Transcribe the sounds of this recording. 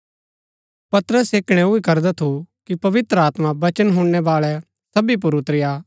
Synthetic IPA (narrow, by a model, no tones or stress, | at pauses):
pɐt̪ɾəseːkɽ̃ɛʊikɐɾd̪ɛt̪ʰukipɐʋɪt̪ɾəaːt̪mãbɐt͡ʃənɦʊ̃ɽːɛʋaːɭɛ | sɐbip̬ʊɾʊt̪ɾɪja